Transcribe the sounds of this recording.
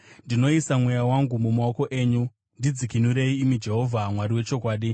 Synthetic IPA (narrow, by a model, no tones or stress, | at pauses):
ndino̞isamwejawaŋɡumumaoko̞ʔe̞ːɲu | ndid͡zikinuɾe̞iːmid͡ʒe̞ɦo̞vʱamwaɾiwe̞t͡ʃo̞kwaːɗi